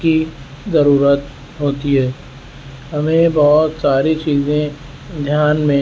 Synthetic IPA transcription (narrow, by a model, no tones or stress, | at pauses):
ki | zɐɾuːɾət̪ | ɦoːt̪iɦɛː | ɦɐmẽbɔɦʊt̪saːɾit͡ʃiːzẽ | d̪ʱjaːnmẽ